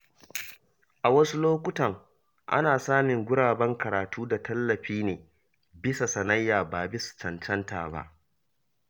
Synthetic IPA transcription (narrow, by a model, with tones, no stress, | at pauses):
ʔa˨wɐ˦su˦loː˦kʷʊ˦tɐ˨ŋ | ʔa̰˦naː˨saː˦mɪ˨ŋɡʷʊ˦ɽaː˨bɐ˦ŋkɐ˨ɾaː˨tuː˦da˨tʰɐ˦lːɐ˨ɸiː˦neː˨ | bɪ˦sa˨sɐ˨nɐ˦jːaː˨baː˨bɪ˦su̥˨t͡ʃɐ˨nt͡ʃɐ˦nta̰ː˨ba̰˦ʔ